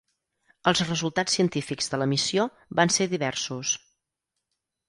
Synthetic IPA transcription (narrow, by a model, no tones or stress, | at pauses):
əlˠzrəzulˠt̪at͡sːiənt̪ifikzðələmisio | βanseðiβɛrsus